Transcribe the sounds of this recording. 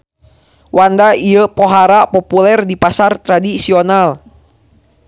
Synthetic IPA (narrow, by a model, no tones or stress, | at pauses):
wandaiəpɔɦaɾapɔpulɛrdipasart̪ɾadisiɔnal